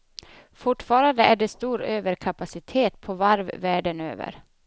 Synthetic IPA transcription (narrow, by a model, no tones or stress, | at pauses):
fʊʈːfɑːɾand̪əʔæɖɛst̪uːɾøːvəɾkʰapasɪt̪ʰeːt̪̚pʰɔvaɾvvæːɖənø̰ːvə̰ɾ